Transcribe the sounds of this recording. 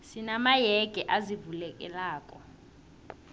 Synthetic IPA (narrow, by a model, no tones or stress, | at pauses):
sinamajɛɡ̥ʱɛʔazivulɛkʼɛ̰laːkʼɔ